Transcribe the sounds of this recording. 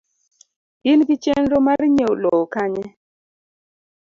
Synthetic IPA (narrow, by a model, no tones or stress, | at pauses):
ɪnkɪt͡ʃenɾomaɾɲeolokaɲɛ